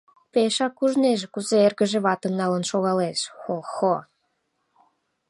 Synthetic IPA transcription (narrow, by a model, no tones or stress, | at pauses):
peʃɑkːuʒneʒekuzeerɣə̆ʒĕβɑt̪ə̆mnɑlənʃoɣɑleʃxoxo